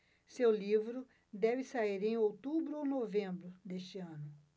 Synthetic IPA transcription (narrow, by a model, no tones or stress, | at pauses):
sewlivɾʊ | d̪ɛvɪsaiɾẽj̃owt̪ubɾʊownovẽmbɾʊd̪est͡ʃɪɐ̃nʊ